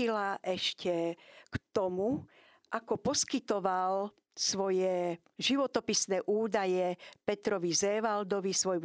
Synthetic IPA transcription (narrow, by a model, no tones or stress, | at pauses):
ilaʔɛʃcɛkt̪ɔmu | ʔakɔpɔskit̪ɔʋal | sʋɔjɛ | ʒiʋɔt̪ɔpisnɛːʔuːd̪ajɛpɛt̪ɾɔʋizɛʋald̪ɔʋisʋɔjmu